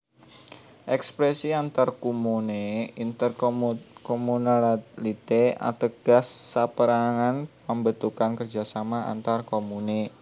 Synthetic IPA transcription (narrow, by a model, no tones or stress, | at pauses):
ʔɛkspɾɛsiant̪arkumuneint̪ərkomunallit̪ea̰t̪əɡ̥a̤sːapəɾaŋanpəmbət̪ukankərd͡ʒa̤samaa̰nt̪arkomune